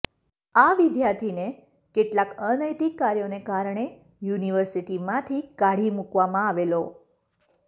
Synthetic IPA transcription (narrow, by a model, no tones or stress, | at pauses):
aʋɪd̪jaɾt̪ʰine | keʈlakənəjt̪ikːaɾjonekaɾɳe | juniʋəɾsiʈimãt̪ʰikaɽ̤imukʋamãaʋelo